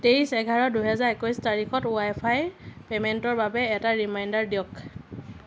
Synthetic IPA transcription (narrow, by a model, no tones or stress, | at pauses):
teɹisɛɡʱaɹɔduɦɛzaɹekɔjstaɹixɔtuajpʰajpemɛntɔɹbabɛːtaɹimajndaɹdijɔk